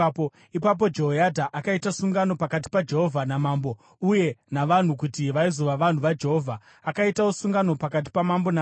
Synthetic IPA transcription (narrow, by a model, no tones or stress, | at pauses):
po | ipap̬o̞d͡ʒe̞ɦojadʱaʔakaitasuŋɡano̞pakat̬i̥pad͡ʒe̞ɦo̞vʱanamaːmbo̞ | uje̞naʋan̤ukutiʋaizoʋaʋan̤uʋad͡ʒe̞ɦo̞vʱaː | kaitausuŋɡano̞pakat̬i̥pamambonaː